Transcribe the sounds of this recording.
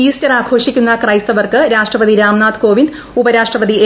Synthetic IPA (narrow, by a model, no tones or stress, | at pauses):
iːst͡ɕɐraːɡʱo̞ːʂikʲːunːɐkrɐjst̪ɐʋɐrkɨɾaːʂʈrɐpɐd̪iɾaːmnaːt̪ko̞ːʋind̪ | ubɐɾaːʂʈrɐpɐd̪ie